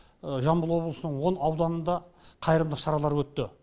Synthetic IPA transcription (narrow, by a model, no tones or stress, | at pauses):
ʒɑmbəlˠwo̞blˠəsənəɴwo̞nɑwd̪ɑnənd̪ɑqʰɑjəɾəmd̪əʃɑɾɑlˠɑɾwɵt̪ːɪ